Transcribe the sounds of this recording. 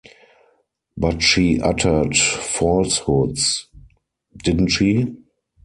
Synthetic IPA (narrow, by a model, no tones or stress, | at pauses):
batʃiːʔa̰tʰə˞tfɔlshʊds | dɪdn̩tʃiː